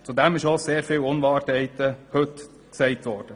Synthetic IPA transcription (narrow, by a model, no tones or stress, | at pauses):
t͡sud̪ɛmɪʃoseːɾfɪːlʊnʋɑːɾtɛɪt̪əhɵt | ksɛɪtʋɔːɾd̥ə